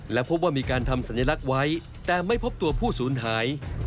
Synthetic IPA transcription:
lɛː˦˥wpʰo˦˥p̚waː˥˩miː˧kaː˧nt̪ʰa˧msa˩˦njaː˧la˦˥k̚wa˦˥j | t̪ɛː˨˩ma˥˩jpʰo˦˥p̚t̪u˧ɐpʰuː˥˩suː˩˦nɦaː˩˦j

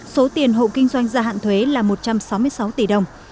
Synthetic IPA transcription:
so˨˦t̪i˨˩ənɦo̰˧˨kï˧ŋ̟zwa˧jŋ̟zaː˧a̰ː˧˨nt̪ʰwe˨˦laː˨˩mo˨˩t̚t͡ɕa˧msa˨˦wmɨ˧əjsa˨˦wt̪i˧˩ɗə˨˩wŋ͡m

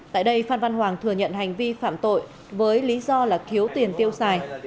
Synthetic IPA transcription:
t̪a̰ː˧˨jɗə˧jfaː˧nva˧nɦwaː˨˩ŋt̪ʰɨ˨˩əŋɲə̰˧˨nha˨˩jŋ̟vi˧fa̰ː˧˨mt̪o̰˧˨j | vəː˨˦jli˨˦zɔ˧laː˨˩xi˨˦əwt̪i˨˩ənt̪i˧əwsaː˨˩j

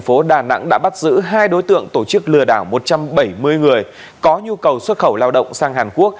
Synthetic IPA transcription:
ŋfo˨˦ɗaː˨˩na̰˧˥ŋɗa̰ː˧˥ɓa˦˥t̚zɨ̰˧˥ɦaː˧jɗo˨˦jt̪ɨ̰˧˨əŋt̪o˧˩t͡ɕɨ˦˥k̚lɨ˨˩əɗaː˧˩wmo˨˩t̚t͡ɕa˧mɓə˧˩jmɨ˧əjŋɨ˨˩əj | kɔ˨˦ɲu˧kə˨˩wswə˦˥t̚xə˧˩wlaː˧wɗə̰˧˨wŋ͡msaː˧ŋɦaː˨˩nku˦˥ək̚

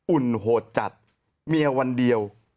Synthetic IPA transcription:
ʔu˨˩nɦoː˨˩t̪̚t͡ɕa̰˨˩t̪̚ | mi˧ɐwa˧ndi˧əw

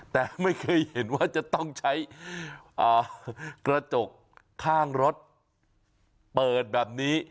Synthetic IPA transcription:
t̪ɛː˨˩ma˥˩jkʰɤː˧jhe˩˦nwaː˥˩t͡ɕa˨˩t̪ɔ˥˩ŋt͡ɕʰa˦˥j | ʔaː˨˩kɾa˧t͡ɕo˨˩k̚ʰː | aː˥˩ŋɾo˦˥t̪̚ | pɤː˨˩t̪̚bɛː˨˩p̚niː˦˥

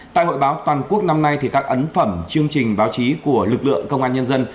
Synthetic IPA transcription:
ta̰ː˧˨jho̰˧˨jɓaː˨˦wt̪waː˨˩nku˦˥ək̚na˧mna˧jt̪ʰi˨˩kaː˦˥k̚ʔə˨˦nfə˧˩mt͡ɕɨ˧əŋt͡ɕï˨˩ŋ̟ɓaː˨˦wt͡ɕi˨˦ku˧˩əlɨ˨˩k̚lɨ̰˧˨əŋkə˧wŋ͡mʔaː˧nɲə˧nzə˧n

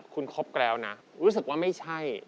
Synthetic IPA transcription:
p̚kʰu˧nkʰo˦˥p̚klɛː˦˧wna˦˥ɾuː˦˥s̬ɯ˨˩k̚waː˥˩ma˥˩jt͡ɕʰa˥˩j

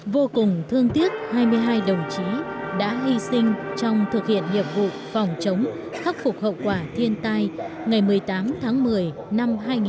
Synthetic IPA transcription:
vo˧kʊ˨˩ŋ͡mt̪ʰɨ˧əŋt̪i˦˥ət̚haː˧jmɨ˧əjɦaː˧jɗə˨˩wŋ͡mt͡ɕi˨˦ɗa̰ː˧˥ɦi˧sï˧ŋ̟t͡ɕɔ˧wŋ͡mt̪ʰɨ˨˩k̚hḭ˧˨ənŋḭ˨əp̚vṵ˧˨fɔ˨˩wŋ͡mt͡ɕə˨˦wŋ͡m | xa˦˥k̚fʊ˨˩k͡p̚hə̰˧˨wkwaː˧˩t̪ʰi˧ənt̪a˧jŋa˨˩jmɨ˨˩əjt̪aː˨˦mt̪ʰaː˨˦ŋmɨ˨˩əj | na˧mɦaː˧jŋi˨

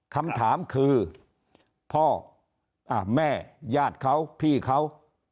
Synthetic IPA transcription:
kʰa˧mt̪ʰaː˩˦mkʰɯː˧ | pʰɔː˥˩ | ʔa˧˩mɛː˥˩jaː˥˩t̪̚kʰa˦˥˩wpʰiː˥˩kʰa˦˥˩w

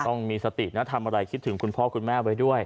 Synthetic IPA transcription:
t̪ɔ˥˩ŋmiː˧sa˧t̪ḭ˨˩na˦˥t̪ʰa˧mʔa˧ɾa˧jkʰi˦˥t̪ʰːɯ˩˦ŋkʰu˧npʰɔː˦˥˩kʰu˧nmɛː˥˩pa˧jdu˥˩əj

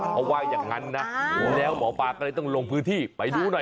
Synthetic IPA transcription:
kʰɔ˧waː˧˩jaː˨˩ŋːa˦˥nːa˦˥mu˨˩˦nlɛː˦˥wmɔː˩˦paː˧kɔː˥˩lːjt̪ɔ˥˩ŋlo˧ŋpʰɯː˦˥nt̪ʰiː˥˩pa˨˩jduː˧na˧˩

